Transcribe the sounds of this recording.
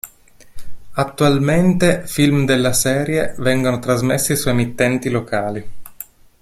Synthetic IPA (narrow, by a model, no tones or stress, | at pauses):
at̪ːualment̪efilmd̪elːasɛːɾjevɛŋɡonot̪ɾazmesːisɔjemit̪ːɛnt̪ilokʰaːli